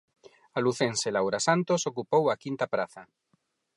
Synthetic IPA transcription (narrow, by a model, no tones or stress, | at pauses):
aluθenselawɾasant̪osokupowakint̪apɾaθa